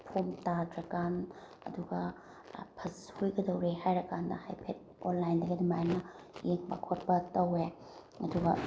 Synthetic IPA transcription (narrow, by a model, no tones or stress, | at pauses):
pʰomtadɾɐkan | ɐ̰duɡɐ | pʰɐshujɡɐdɐwɾehajɾɐkandɐ̰hajpʰet̚ | ɔnlajndɐɡidimajnɐ | jeŋbakʰot̚bɐtɐwe | ɐduɡɐ